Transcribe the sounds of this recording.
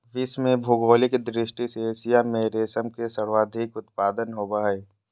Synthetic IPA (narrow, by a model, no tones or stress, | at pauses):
ʋɪsmẽbʱʊɡoːlɪkd̪ɾɪʃʈisesijamẽɾeːsəmkesəɽʋaːd̪ʱɪkʊt̪̚paːd̪ənɦoːbaːeː